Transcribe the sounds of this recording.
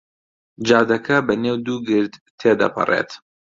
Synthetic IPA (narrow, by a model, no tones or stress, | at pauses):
d͡ʒɑːd̪ɐkʰɐbɐneːwd̪uːɡɨɾd̪t̪ʰːeːd̪ɐ̰pʰɨ̰rḛt̪